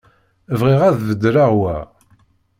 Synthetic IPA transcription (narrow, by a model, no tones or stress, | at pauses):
vʁiʁæðvəd̪ːɾaʁwæ̰